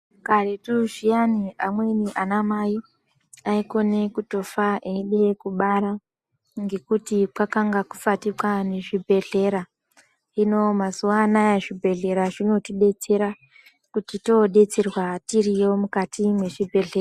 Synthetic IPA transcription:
karetuʐijaniamwe̞niʔanamaji | aiko̞ne̞kuto̞faʔeiɗe̞kuɓaɾa | ŋɡe̞kutipakaŋɡakufatikwane̞ʐibʱe̞ɮe̞ɾa | ino̞mazuwanajaʐibʱe̞ɮe̞ɾaʐino̞tiɗe̞t͡se̞ɾa | kutito̞ɗe̞t͡serwatirijo̞mukatimwe̞ʐibʱe̞ɮeːra

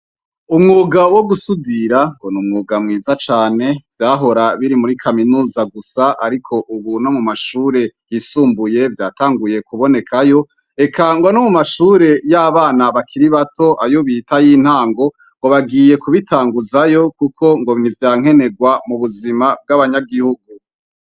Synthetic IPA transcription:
umŋuːɡawoɡusudiɾaŋɡonumŋuːɡamŋiːzat͡ʃaːne̞v̥jaːɦo̞ɾaβiɾimuɾikʰaminuːzaɡusaʔaɾikʰo̞ʔuβuno̞mumaʃuːɾe̞jisuːmbuje̞vjaːtaːŋɡuje̞kuβo̞ne̞kʰajo̞ | e̞kʰaŋɡo̞nomumaʃuːɾe̞jaβaːnaβakʰiɾiβatʰo̞ʔa̰joβitajiːn̥haːŋɡo̞ | ŋɡo̞βaɡiːje̞kuβitʰaːŋɡuzajo̞kukʰo̞ŋɡo̞βnivjaːŋ̥e̞ne̞ɡwamuβuzimab̚ɡaβaɲaɡihuɡu

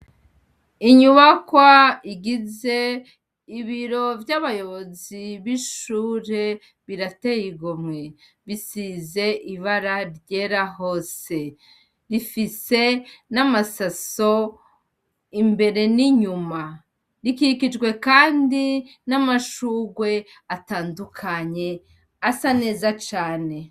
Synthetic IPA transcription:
iɲuβakwaiɡize̞ | iβiɾo̞vjaβajo̞βo̞ziβiʃuːɾe̞ | βiɾatejiɡomŋe | βisize̞ʔiβaɾaɾɟeɾaho̞ːse̞ | ɾifise̞namasaso̞ | imbe̞ɾe̞niɲuma | ɾikikid͡ʒɡwe̞kaːndi | namaʃuɡwe̞ | ataːndukʰaɲe̞ | asane̞ːzat͡ʃaːne̞

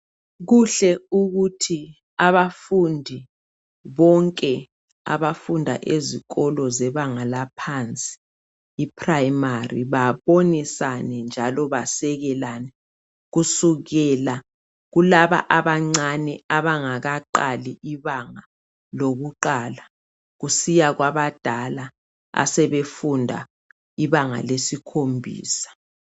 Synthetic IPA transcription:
ɣuɬɛuɣutʰi | aβafundʱi | βɔŋkʼɛ | a̰βafundʱa̰ʔeziɣɔlɔzɛβaŋalapʰant͡sʼi̥ː | pʰrajmarḭβaβonisanɛnd͡ʒʱalɔβasɛɣɛlanɛ | ɣusuɣɛla | ɣulaβa̰ʔaβaŋ͡ǀanɛaβaŋaɣaǃaliʔiβaŋa | loɣuǃaːla | ɣusijaɣwaβad̥ʱala | a̰sɛβefundʱa̰ | iβaŋa̰lesikʰombʱḭːsḁ

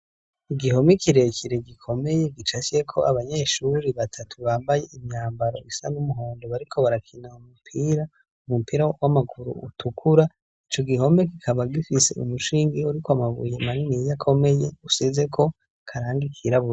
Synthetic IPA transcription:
iɡiɦo̞mikiɾe̞kʰiɾe̞ɡikʰo̞me̞je̞ɡit͡ʃat͡ʃe̞kʰo̞ʔaβaɲe̞ːʃuɾiβatʰatʰuβaːmbaje̞ʔimɲaːmbaɾo̞̰isa̰numuɦo̞ːndoβaɾikʰo̞βaɾakʰinaumupʰiːɾa | umupiːɾawamaɡuɾṵṵtʰukʰuɾa | it͡ʃo̞ɡiɦo̞mekikʰaβaɡifise̞̰ṵmuʃiːŋɡiuɾikoamaβṵjemaninijakʰo̞me̞je̞usize̞kʰo̞ | kʰaɾaːŋɡikʰiɾaβuɾa

